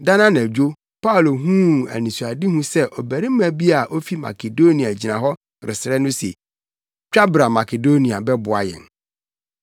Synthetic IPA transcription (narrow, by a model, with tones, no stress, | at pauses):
da˦nã˦nɛ̃˨d͡ʑᶣo˦ | pa˦o˨lo˨ɦũ˦æ̰˨nĩ˨su˨a˨dɪ˦hũ˦sɛ˦ʔɔ˨bæ˨ɾɪ˦m̩˦mæ̃˨bi˦a˨ʔo˦fi˦ma̰˨kʰe˨do˦nĩ˨a˨d͡ʑi˨nã˨ɦɔ˦ | ɾɪ̰˨sɪ˨ɾɛ˦nʊ̃˦se˨ | t͡ɕᶣa˦bɾa˨ma˨ke˨do˦ni˨a˨bɛ˦bʊ˨a̰˨jɛ̰˨n